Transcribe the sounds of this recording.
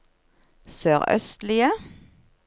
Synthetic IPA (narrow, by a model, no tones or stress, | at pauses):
søːʁœ̰st̪lɪə